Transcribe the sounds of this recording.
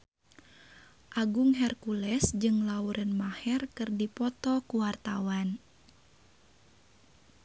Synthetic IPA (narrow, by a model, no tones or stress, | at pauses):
ʔaɡuŋɦɛrkulɛsd͡ʒɨŋlauɾʔənmahɛrkɨrdipɔt̪ɔkuwart̪awan